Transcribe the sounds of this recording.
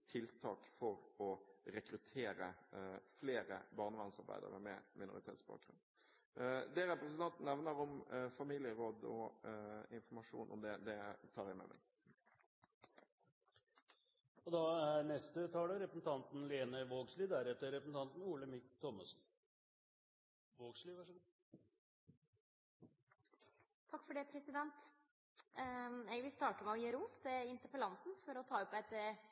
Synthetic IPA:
t̪ʰɪlt̪ʰɑːkfɔɾɔɾɛkɾʉt̪ʰeːɾəfleːɾəbɑːʁnəʋɑnsɑʁbæ̰ɪd̪ə̰ɾə̰mɛmʔɪnʊ̰ɾɪt̪ʰeːt̪sb̥ɑ̰ːk̚ɾʉ̰n | d̪ɛɾɛpɾɛsnt̪ɑnt̪n̩nɛʋnəɾʊmfɑmiːlɪəɾoːd̪ɔ̰ | ɪnfɔmɑʂṵːnʔɔ̰md̪ɛd̪ɛt̪ʰɑːɾæmɛ̰mɛ̰ɡ | ɔd̪ɑæɾnɛst̪ət̪ʰɑːləɾɛpəsn̩t̪ʰɑnt̪nleːnəɾʋoːɡsliːd̪æɾɛt̪ːəɾɛpəsn̩t̪ɑnt̪n̩uːləmɪkt̪ʰːɔmːəsn̩ | ʋoːɡsliːʋæʂə | t̪ʰɑkːfɔɖeːpʰɾɛsɪd̪ɛnt̪ | ɛʋɪst̪ɑːʈəmɛɔjeːɾuːst̪ɛɪnt̪əɾpəlɑnt̪nfɔɾɔt̪ʰɑːɔpːæt̪ːə

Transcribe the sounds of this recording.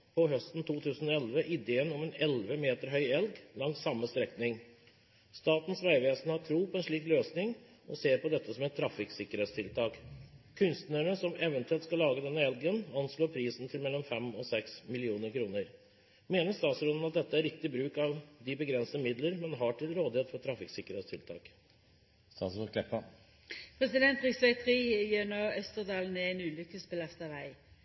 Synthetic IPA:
pʰɔɦœst̪n̩t̪ʰuːt̪ʰʉːsən̩ɔɛlʋəʔɪd̪eːənɔmɛːnɛlʋəmeːt̪əɾɦœʏɛlɡlɑŋsɑmːəst̪ɾɛknɪŋ | st̪ɑːt̪n̩sʋæɪʋeːsn̩hɑʈʰɾuːpʰɔɛnʂɭiːkløːsnɪŋ | ɔseːɾpɔd̪ɛt̪ːəsɔmɛt̪ʰɾɑfɪksɪkːəɾeːt̪st̪ʰɪlt̪ʰɑːkkʰːʉnst̪nəɳəsɔmɛʋənt̪ʉɛlt̪skɑlːɑːɡəd̪ɛnːəɛlɡənɑnsloːɾpʰɾiːsn̩t̪ʰɪlmɛlːɔmfɛmɔsɛksmɪlɪuːnəɾkʰɾuːnəɾ | meːnəst̪ɑːt̪sɾʊnn̩ɑt̪̚d̪ɛt̪ːəæɾːɪk̚t̪ɪbɾʉːkɑʋd̪ɪbəɡɾɛnsəmɪd̪ləɾmɛnɦɑʈʰɪlɾoːd̪ɪheːt̪fɔʈʰɾɑfɪksɪkːəɾɛːt̪st̪ʰɪlt̪ʰɑ̰ːk | st̪ɑːskʰlɛpːə | pʰɾɛsɪd̪ɛnt̪ɾɪksʋæɪt̪ʰʁiːjøːnoːœst̪əʁd̪ɑːln̩ɛnʉːlʏkːəsbəlɑst̪ɑʋæɪ

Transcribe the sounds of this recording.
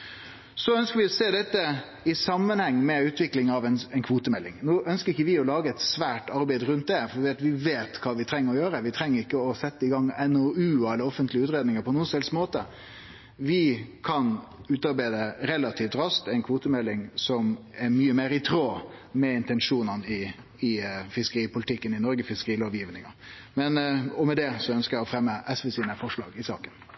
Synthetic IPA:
sɔœnskəɾʋɪɔseːd̪ɛt̪ːə | ɪsɑmːənhɛŋːmɛʉːt̪ʰʋɪklɪŋɑʋɛnɛnkʰʋuːt̪əmɛlːɪ̰ŋnoːœnskəɾɪçːəʋɪɔlɑːɡəɛt̪sʋæːʈɑɾbæɪd̪əɾʉnt̪̚d̪ɛfɔɾd̪ɪːɑt̪ʋɪʋeːt̪kʰɑːʋɪt̪ʰɾɛŋːəɾɔjøːɾəʋɪt̪ʰɾɛŋːəɾɪkːəɔsɛt̪ːəɪɡɑŋːɛnɔʉːɛləɾɔfənt̪lɪəʉːt̪ɾeːd̪nɪŋəpʰɔnuːənsɛlsmoːt̪ə̰ | ʋɪkʰɑnʉːt̪ɑɾbæɪd̪əɾɛlːɑt̪ʰiːft̪ɾɑskt̪æɪnkʰʋuːt̪əmɛlːɪŋsɔm | ɛɾmyːəmeːɾɪt̪ʰɾoːmɛɪnt̪ɛnʂuːnɑnɪ | ɪfɪskəɾiːpʊlɪt̪ɪkːənɪnɔɾɡəfɪskəɾiːloːʋjiːʋnɪŋɑ | mɛnɔmɛd̪ɛsɔœnskəɾjæɪɔfɾɛmːəʔɛsʋɛsiːnəfɔʂlɑ̰ːɡɪsɑ̰ːkən

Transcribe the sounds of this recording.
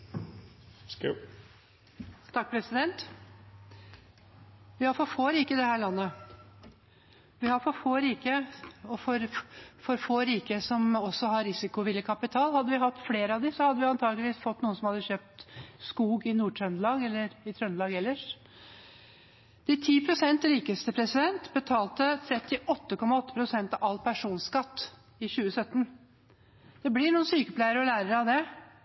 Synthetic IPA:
t̪ʰɑk̚ːpʰɾɛsɪd̪ɛnt̪ | ʋɪhɑɾfɔfoːɾiːkəɪd̪ɛhæːɾɭɑnːə | ʋɪhɑɾfɔɾfoːɾiːkəɔfɔɾfɔɾfoːɾiːkəsɔmɔsɔhɑɾɾɪsɪkʊʋɪlːəkʰɑpɪt̪ʰɑːlhɑd̪ːəʋɪhɑt̪ːfleːɾəɑʋd̪ɪsɔhɑd̪ːəʋɪɑnt̪ʰɑːɡlɪʋiːsfɔt̪ːnuːənsɔmhɑd̪ːəçøːp̚t̪skuːɡɪnuːʈʰɾœnlɑːɡɛlːəɾɪt̪ʰɾœnlɑːɡɛlːəʂ | d̪̥æt̪ʰiːpʰɾʊsɛnt̪ɾiːkəst̪əpʰɾɛsɪd̪ɛnt̪bət̪ʰɑːlt̪ət̪ʰɾɛt̪ːɪʔɔt̪ːəkʰɔmːɑɔt̪ːə̥pʰɾʊsɛnt̪ɑʋɑlːpʰæʂuːnskɑt̪ː | ɪɕʉːəsœt̪ːən | d̪̥ɛblɪɾɳuːnsyːkəpʰlæɪəɾəɔlæːɾəɾəɑʋd̪ɛ

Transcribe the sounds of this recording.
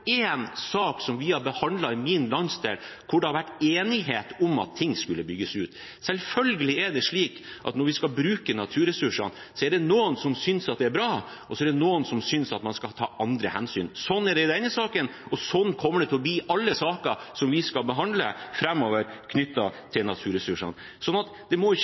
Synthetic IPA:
eːnsɑːksɔmʋɪhɑɾbəhɑnd̪lɑɪmɪnlɑnsd̪ḛl | kʰʊɖɛhɑɾʋæʈːeːnɪɦeːt̪ɔmɑ̰t̪ʰːɪŋːskʉlːəbʏɡːəsʉːt̪ | sɛlfœlɡəlɪɛɖɛʂɭiːk | ʔɑ̰t̪nɔɾʋɪskɑlbɾʉːkənɑt̪ʰʉːɾɛsʉʂə̰n | sɔɛɖɛnuːənsɔmsʏnsɑt̪̚d̪ɛæɾbɾɑː | ʔɔsɔɛɖ̪ɛnuːənsɔmsʏnsɑt̪mɑnskɑt̪ʰɑːʔɑnd̪ɾəhɛnsy̰ːnsɔnːæɖɛɪd̪ɛnəsɑːkənɔsɔnːkʰɔmːəɖɛt̪ɪlɔbiːʔɑlːəsɑːkəsɔmʋɪskɑlbəɦɑnd̪lə̰fɾɛmːoːʋəɾkʰnʏt̪ːɑt̪ʰɪlnɑt̪ʰʉːɾɛsʉʂə̰n | sɔnːɑt̪d̪ɛmɔɪç

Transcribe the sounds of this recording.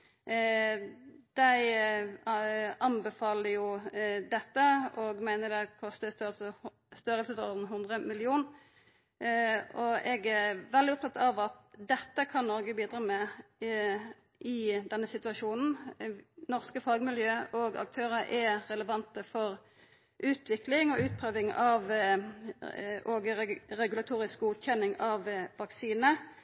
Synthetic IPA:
d̪̥æɪ | ɑnbəfɑːləjʊd̪ɛt̪ːəɔɡmæɪnəd̪ɛkʰɔst̪əst̪ɑls | st̪œɾəlsəsɔʁd̪n̩ɦʉnd̪ʁəmɪlɪuːn | ɔʔɛɡæʋɛld̪ɪɔp̚t̪ʰɑt̪ːɑʋɑt̪̚d̪ɛt̪ːəkʰɑnnɔʁɡəbiːd̪ʁɑːmɛ | ʔɪd̪ɛnːəsɪt̪ʉɑʂuːnn̩ | nɔʁskəfɑɡmɪljøːʔɔɡɑ̰k̚t̪ʰøːʁəʔɛʁɛləʋɑnt̪əfɔʁ | ʔʉːt̪ʋɪklɪŋɔʉːt̪̚pʰɾøːʋɪŋɑʋ | ʔɔɡəʁɛɡʉlɑt̪ʰuːɾɪsk̚ɡuːt̪çɛnːɪŋɑʋːɑksiːnə

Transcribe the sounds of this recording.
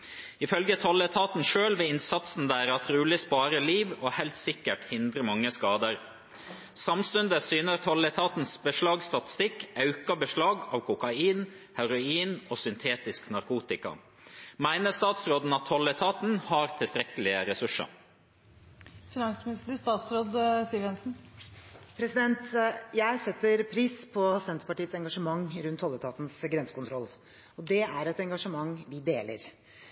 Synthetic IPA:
ɪfœlɡət̪ʰɔlət̪ʰɑːt̪n̩ʂøːlʋɛːɪnsɑt̪sn̩d̪æːɾɑt̪ʰɾʉːlɪspɑːɾəliːʋoːhɛɪlt̪sɪkːəʈhɪnd̪ɾəmɑŋːəskɑːd̪əɾ | sɑmst̪ʉnd̪əsyːnəɾt̪ʰɔlət̪ʰɑːt̪n̩sbəʂlɑːɡst̪ɑt̪ɪ̥st̪ɪkʔɑʉkɑbəʂlɑːɡɑːʋkʰʊkɑiːn | hæɾʊiːnoːsʏnt̪ʰeːt̪ɪsknɑɾkuːt̪ɪkɑ̰ | mæɪnəst̪ɑːt̪sɾoːd̪n̩ɑt̪hɔlːət̪ʰɑːt̪n̩hɑɾt̪ʰɪlst̪ɾɛkəlɪəɾɛsʉʂə̰ɾ | fɪnɑŋsmɪnɪst̪əst̪ɑːt̪sɾoːd̪siːəʋjɛnsn̩ | pʰɾɛsɪd̪ɛnt̪jæɪsɛt̪ːəɾpʰɾiːspʰɔsɛnt̪əɾpɑʈiːət̪sɛŋɡɑʂəmɑŋːɾʉnt̪hɔlːət̪ʰɑːt̪nsɡɾɛnsə̥kʊnt̪ʰɾɔlː | ɔd̪ɛæɾɛt̪ɛŋɡɑʂəmɑŋːʋɪd̪eːlə̰ɾ

